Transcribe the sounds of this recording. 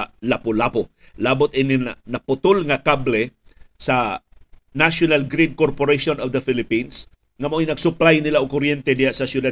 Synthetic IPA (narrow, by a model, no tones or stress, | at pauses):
lapolapo | laːbʊt̪ʔɪnɪnɐnɐpʊt̪olŋɐkablɛ | sɐ | naʃonalɡɾid̪̚koɹpoɾejʃonɔvd̪ɐfɪlɪpins | ŋɐmojnɐɡsʊplajnɪlaʔokʊɾjɛnt̪ɛd̪ɪhaʔsɐsjʊd̪ad